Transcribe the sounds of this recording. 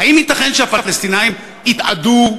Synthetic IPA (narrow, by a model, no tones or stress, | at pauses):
haimit̪aχenʃeafafalest̪inajim | it̪a̰du